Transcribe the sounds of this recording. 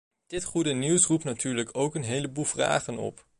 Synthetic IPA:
d̥ɪtχudəniwsrup̚tnatʰyːɹləkʰowkənɦejləbulˠvra̰ːχənɔ̰p

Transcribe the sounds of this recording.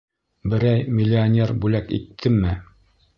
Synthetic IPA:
bɘ̆ɾæjmʲɪlʲːɪonʲeɾbʉlækḭt̪ʰːɘmːɘ

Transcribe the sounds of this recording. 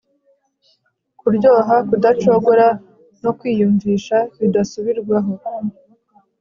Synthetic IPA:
kuɾɟo̞ːɦakudat͡ʃo̞ɡoɾa | no̞kwiːjuːɱviːʃaβidasuβiɾɡwaɦo̞

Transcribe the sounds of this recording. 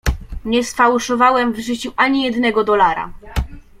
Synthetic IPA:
ɲɛsfawʂɔvawɛmvʐɘt͡ɕuʔaɲijɛd̪nɛɡɔd̪ɔlaɾa̰

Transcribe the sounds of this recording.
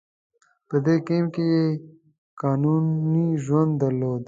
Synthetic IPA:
pəd̪ekimkeje | kɑːnuniʒwɐ̃nd̪ːɐɾloːd̪

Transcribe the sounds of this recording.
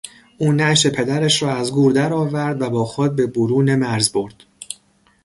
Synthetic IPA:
ʔuːnæʃe̞pʰe̞d̪æɾæʃɾɒːæzɡuːɾd̪æɾɒːvæɾd̪væbɒːxod̪̚be̞boɾuːnemæɾzboɾd̪̥

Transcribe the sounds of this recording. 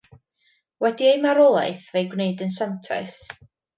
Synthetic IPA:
wɛdiejmaɾɔlˠa̰jθvejɡwneɨdənsantʰɛ̰s

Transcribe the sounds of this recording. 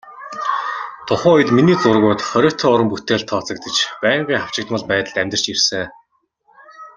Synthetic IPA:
t̪ʰʊχʊːɔjt̪miniːt͡sʊrɣʊːt̪χœɾʲœːt̪ʰɔːʊɾə̆mput̪eːɮt̪ʰːɔːt͡sə̆kt̪ə̆t͡ɕpæːɴɢiːŋχaw̥t͡ɕɪ̆k̚t̪mə̆ɮpæːt̪ə̆ɮ̥t̪æmʲt̪ə̆r̥t͡ɕirsɘ̆ŋ

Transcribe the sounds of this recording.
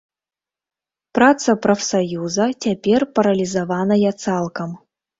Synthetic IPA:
prat̪sɐprɐfsɐjuzɐtʲapʲerʲpɐɾɐlʲizɐvanɐjat̪salˠkɐm

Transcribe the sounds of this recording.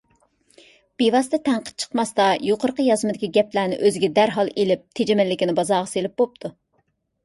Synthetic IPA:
b̥evɑst̪ɛt̪ʰɛŋqʰə̥t̪̚t͡ʃʰə̥qmɑst̪ɑjoqʰəɾqəjɑzmɨd̪ɪkʲiɡʲɛplæːnɪ̰ʔøzɪɡʲɛd̪æɾɦɑlˠelɪp̚t̪ʰed͡ʒemɪlːɪkʲinɪbɑzɑːʁɑselɪp̚bop̚t̪ʰu

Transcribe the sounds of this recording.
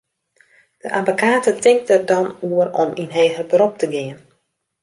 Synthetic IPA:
d̥əʔabokʰaːtətʰɪŋk̚tərdɔnuərɔ̰minɦeːɦərbrop̚tʰəɡɪən

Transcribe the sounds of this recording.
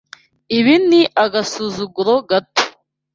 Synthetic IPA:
iβiniʔaɡasuzuɡuɾoɡato̥

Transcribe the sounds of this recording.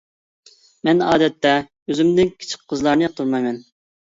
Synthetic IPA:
mɛnɑːd̪ɛt̪ːɛ | øzymd̪ɪnkʲʰi̥t͡ʃʰi̥qʰːəzlˠɑɾnɨjɑq̚t̪ʰuɾmɑjmɛn

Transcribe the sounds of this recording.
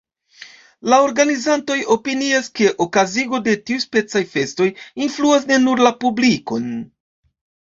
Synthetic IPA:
lao̞ɾɡanizanto̞jo̞piniaske̞ʔokaziɡo̞de̞tiuspe̞t͡sajfe̞sto̞jinfluas̬ne̞nuɾlapubliko̞̰n

